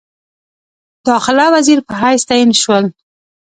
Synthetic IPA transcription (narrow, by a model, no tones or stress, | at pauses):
d̪̥ɑxɪlawaziɾpəɦajst̪ajinʃwəl